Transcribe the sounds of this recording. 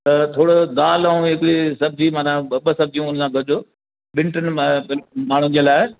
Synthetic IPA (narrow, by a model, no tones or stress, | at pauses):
t̪ɐt̪ʰoːɽod̪aːlaːũɦɪkɪɾisɐb̚ʱd͡ʑimaːnãɓəsɐb̚ʱd͡ʑiũʊn̤sãːɡʱɐɾd͡ʑoː | ɓɪ̃ɳʈənɪ̆bɪlmaːɳ̤ʊ̃d͡ʑeːlaːɪ